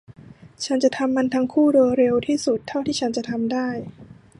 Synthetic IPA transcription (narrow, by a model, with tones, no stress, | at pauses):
t͡ɕʰa˦˥nt͡ɕa˨˩ʔt̪ʰa˧mːa˧nt̪ʰaː˦˥ŋkʰuː˥˩doː˧jɾe˧wt̪ʰiː˥˩su˨˩t̪ʰːa˥˩wt̪ʰiː˥˩a˦˥nt͡ɕa˨˩t̪ʰa˧mdaː˥˩j